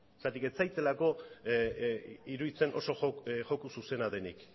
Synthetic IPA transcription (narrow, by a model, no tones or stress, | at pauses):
sat̪ike̞t͡sajt͡s̪e̞lako̞ | iɾuðit͡se̞nʔo̞̰so̞ʝokususe̞naðe̞nḭk